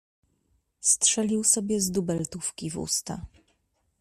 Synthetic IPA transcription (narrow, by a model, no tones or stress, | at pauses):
stʂɛlʲiwsɔbʲjɛzd̪ubɛlt̪ufkʲivṵst̪a̰